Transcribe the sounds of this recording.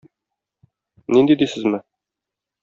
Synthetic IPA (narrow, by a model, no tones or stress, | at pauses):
nind̪id̪isɘzmɘ